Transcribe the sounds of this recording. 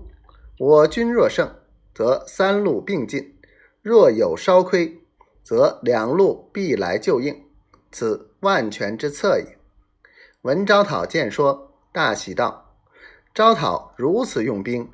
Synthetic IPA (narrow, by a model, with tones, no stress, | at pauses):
wɔ˨˩t͡ɕy˥nɻwɔ˥˧ʂɤ˥˩ŋ | t͡sɤ˧˥sa˥nlu˥˧pi˥˧ŋt͡ɕi˥˩n | ɻwɔ˥˩jo˨˩ʊʂɑ˥ʊkʰwe˥ɪ | t͡sɤ˧˥ljɑ˨˩ŋlu˥˧pi˥˩la˧˥ɪt͡ɕjo˥˧ʊi˥˩ŋ | t͡sʰɹ̩˨˩˦wa˥˩nt͡ɕʰɥɛ˧˥nʈ͡ʂɻ̩˥t͡sʰɤ˥˩ḭ˨˩˦ŋ | wə˧˥nʈ͡ʂɑ˥ʊt̪ʰɑ˨˩ʊt͡ɕjɛ˥˩nʂwɔ˥ | t̪a˥˩ɕʰi˨˩t̪ɑ˥˩ʊ | ʈ͡ʂɑ˥ʊt̪ʰɑ˨˩˦ʊɻu˧˥t͡sʰɹ̩˨˩jʊ˥˩ŋpi˥ŋ